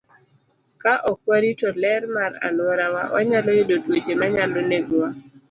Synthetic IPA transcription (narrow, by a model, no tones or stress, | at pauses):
kaʔɔkwaɾitɔlɛrmaɾa̰lwɔɾawa̰wʔa̰ɲalojodotwet͡ʃemaɲaloneɡɔwa